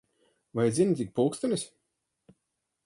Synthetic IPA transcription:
vaj̪zint̪ʲik̚pulˠkst̪anʲisʲ

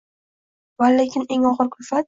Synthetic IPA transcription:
valekʲʰɪne̞ŋɒʁɨɾkʰʊlfat̪

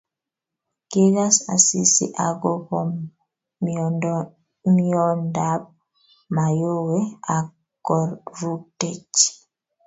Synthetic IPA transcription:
kiɡasa̰sisḭʔaɡɔpɔm | miɔndab̚ | majowɛa | ɡɔɾɾutet͡ʃi̥

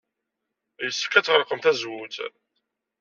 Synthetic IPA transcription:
jəsːə̥kːæt͡sːʁəɾqəmθæzwut͡s̪

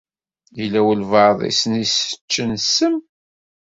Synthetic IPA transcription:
jəlːæwəlvɑɾðˤḭsənisə̥t͡ʃːənsːəm

